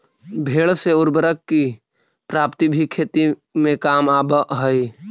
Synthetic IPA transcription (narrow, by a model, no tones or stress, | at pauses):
bʱeːɭseʊɾbəɾəkːi | pɾaːpt̪ibʱikʰeːt̪imẽkaːmaːbəɦəi